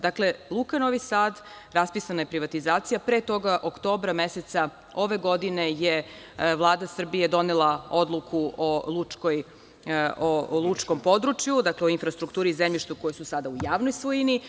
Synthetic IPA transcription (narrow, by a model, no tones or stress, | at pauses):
d̪akle̞lˠukanoʋisaːd̪ | ɾaspisanajepɾiʋat̪izaːt̪sijapɾeːt̪o̞ɡaʔokt̪o̞ːbɾameset̪sa | o̞ʋe̞ɡo̞d̪ineje | ʋlˠaːd̪asr̩bije̞d̪o̞nelˠao̞d̪lˠukʰuʔolˠut͡ʂkoj | olˠut͡ʂko̞mpo̞d̪ɾut͡ʃjud̪akleoinfɾast̪ɾukt̪uːɾizemʎʲiʃt̪ukojesusad̪aujaːʋnojsʋojini